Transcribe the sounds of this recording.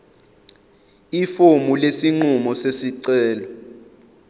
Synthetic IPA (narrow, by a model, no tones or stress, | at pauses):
ifomulesiŋ͡ǃumɔsesiǀɛːlɔ